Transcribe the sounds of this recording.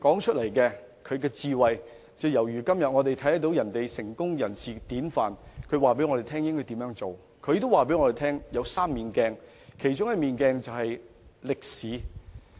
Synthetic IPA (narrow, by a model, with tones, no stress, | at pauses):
kɔː˨˥ŋt͡ʃʰɵ˥t̚lɐ˨˩jkɛː˧ | kʰɵ˨˧ɥkɛː˧t͡siː˧wɐ˨j | t͡sɛː˨˧wjɐ˨˩wjyː˨˩kɐ˥mjɐ˨t̚ŋɔ˨˧t̪e˨jt̪ʰɐ˨˥jɐ˥t̪o˨˥wjɐ˨˩nt̪e˨jsɪ˨˩ŋkʊ˥ŋjɐ˨˩nsiː˨t̪iː˨˥nfaː˨nkʰɵ˨˧ɥwaː˨pe˨˥jŋɔ˧ɾe˨˩t̪ʰɛː˥ŋjɪ˥ŋkɔː˥jt̪iː˨˥mjœː˨˧˥ŋt͡so˨w | kʰɵ˨˧ɥt̪waː˨pe˨˥jŋɔ˧ɾe˨˩t̪ʰɛː˥ŋjɐ˨˧wsaː˥mːiː˨˩nkɛː˧ŋ | kʰe˨˩jt͡ʃʊ˥ŋkɛ˧miː˨˧nkɛː˧ŋt͡sɐ˨whɐ˨j | lɪ˨k̚siː˨˥